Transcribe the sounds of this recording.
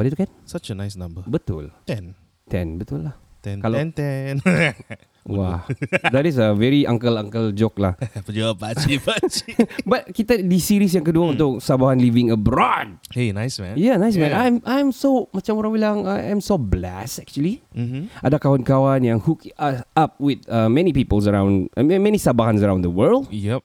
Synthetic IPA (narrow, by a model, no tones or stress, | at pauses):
wadit̪ukɛnsat͡ʃənaɪsnãmbəbət̪ʊ̰lt̪ɛ̃n | t̪ɛ̰̃nbət̪ʊlːaht̪ɛ̃nkalaɛ̃nt̪ɛn | wa̰hd̪atis̬əvɛɹiʔa̰ŋkəlãŋkəld͡ʒok̚lahpəd͡ʒuapaipat͡ʃbat̪̚kit̪adisiɾis̬jãŋkəduaunt̪ʊk̚sabaɦanlivɪ̃ŋəbɾɔd̚henajsmɛ̰̃njanajs̬mɛ̃najmʔajmsomat͡ʃamoɾãŋbilaŋajãjmsoblɛ̰sɛk̚t͡ʃuəliʔadakawankawanjãŋhukasap̚wɪt̪amɛnipipəls̬əɹãw̃ndmɛ̃nisabaɦãns̬əɾãw̃nd̪əwəldjɛp̚